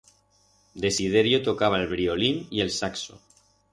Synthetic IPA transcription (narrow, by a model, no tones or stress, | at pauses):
d̪e̞sið̞e̞ɾjo̞t̪o̞kaβ̞aelβɾio̞linie̞lsakso̰